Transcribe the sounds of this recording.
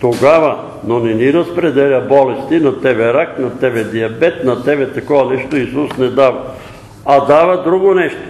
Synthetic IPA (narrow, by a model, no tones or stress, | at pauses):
t̪oɡavɐ | nonɛniɾɐspɾɛd̪ɛlʲabɔlɛst̪inɐt̪ɛbɛɾaknɐt̪ɛbɛd̪iɐbɛt̪nɐt̪ɛbɛt̪ɐkɔvɐnɛʃt̪oisusnɛd̪avɐ | ad̪avɐd̪ɾuɡonɛʃt̪o̥